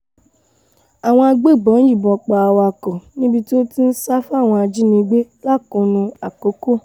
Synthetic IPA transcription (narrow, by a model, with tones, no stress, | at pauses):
a˨w̃ɔ̃˧a˧ɡ͡be˦˨ɡ͡bɔ̃˨˦n̩˦ji˦˨bɔ̃˨k͡pɔ˧a˨˧wa˧kɔ˨nĩ˦bi˧to˦ti˦n̩˦sa˦fa˦˨w̃ɔ̃˧a˧d͡ʒi˦nĩ˧ɡ͡be˦ | la˦˨kũ˨˧nũ˧a˨ko˨˦ko˦˨